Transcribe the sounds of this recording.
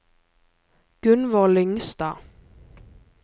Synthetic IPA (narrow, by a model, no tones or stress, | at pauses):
ɡ̥ʉnʋɔlʏŋst̪ɑː